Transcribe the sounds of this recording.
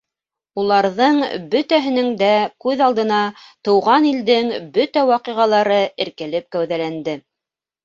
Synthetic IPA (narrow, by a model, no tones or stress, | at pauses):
ulˠɑɾðɤɴbɵt̪æɦɘ̆nɘŋd̪ækʉðɑlˠd̪ɤ̆nɑt̪ɤ̆wʁɑnild̪ɘŋbɵt̪æwɑqiʁɑlˠɑɾɤɘ̆ɾkæ̆lɘp̚kæwðælænd̪ɘ